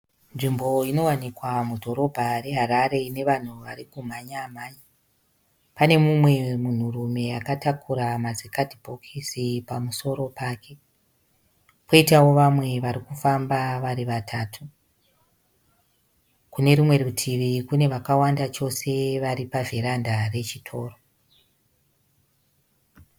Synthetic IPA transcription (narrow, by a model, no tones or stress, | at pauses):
nʐimbo̞ino̞wanikwamudʱo̞ɾo̞bʱare̞ɦaɾaɾe̞ine̞ʋan̤uʋaɾikum̤aɲam̤aːji | pane̞mumwe̞mun̤urume̞akatakuɾamazikadibʱo̞kʰisipamuso̞ɾo̞paːke̞ | poitawo̞ʋamwe̞ʋaɾikufambaʋaɾiʋatʰaːtʰu | kune̞ɾimwe̞rutʰiʋikune̞ʋakawandat͡ʃo̞se̞ʋaɾipaveɾandare̞t͡ʃitʰo̞ːro